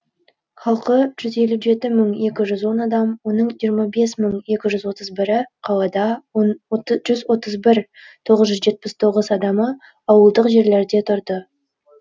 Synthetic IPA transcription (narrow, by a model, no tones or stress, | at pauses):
χɑlˠqəʒ̥ʏze̞luʒe̞t̪ɪməɴje̞kʲɪʒʏzwo̞nɑd̪ɑmwo̞nəɴijəɾmɑbe̞sməɴje̞kʲɪʒʏzwo̞t̪əzbɪɾɪqʰɑlˠɑd̪ɑnʒʏzwo̞t̪əzbɪɾt̪ʰo̞ʁəzʒʏzʒe̞t̪̚pɪst̪ʰo̞ʁəzɑd̪ɑmə | ɑwəlˠd̪əqʒe̞ɾle̞ɾd̪e̞t̪ʰʊɾd̪ə